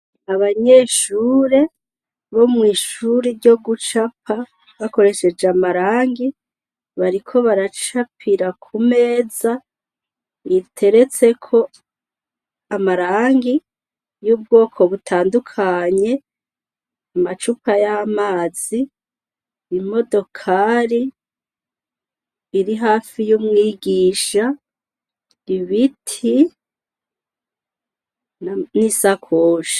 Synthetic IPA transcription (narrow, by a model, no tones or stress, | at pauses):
aβaɲe̞ːʃuːɾe̞ | βo̞mŋiːʃuɾiɾɟo̞ɡut͡ʃapʰa | βako̞ɾe̞ʃe̞d͡ʒeamaɾaːŋɡi | βaɾikʰo̞βaɾat͡ʃapʰiɾakʰume̞ːza | itʰe̞ɾe̞t͡se̞kʰo̞ | amaɾaːŋɡi | juːb̚ɡo̞ːkʰo̞βutʰaːndukʰaɲe̞ | amat͡ʃupajamaːz̥i | imo̞do̞kʰaɾi | ɾiɦaːfijuːmŋiːɡiːʃa | iβitʰi | nisakʰoːʃḁ